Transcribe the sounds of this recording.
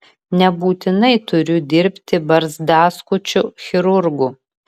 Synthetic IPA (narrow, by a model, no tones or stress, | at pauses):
nʲɛbuːt̪ʲɪnɐɪt̪ʊɾʲʊd̪ʲɪɾʲpʲt̪ʲɪbɐɾzd̪ɑːskʊt͡ʃʲʊxʲɪɾʊɾɡu